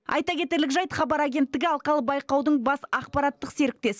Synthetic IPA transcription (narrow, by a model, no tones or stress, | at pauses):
ɑ̰jt̪ɑkʲʰe̞t̪e̞ɾlɪkʒɑjt̪χɑbɑɾaɡʲe̞nt̪ːɪɡʲɪɑlˠqɑlˠəbɑjqɑwd̪əɴbɑsɑqpɑɾɑt̪ːəqse̞ɾɪk̚t̪e̞s